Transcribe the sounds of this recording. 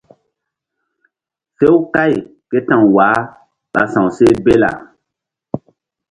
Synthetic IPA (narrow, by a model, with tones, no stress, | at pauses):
se˦wka˦jke˦tã˨wwaː˨˦ | ɓa̰˨sã˨wse˦be˦la̰˨